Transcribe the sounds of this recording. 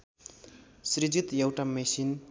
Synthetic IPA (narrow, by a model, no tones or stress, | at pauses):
sɾid͡zit̪jʌwʈamesin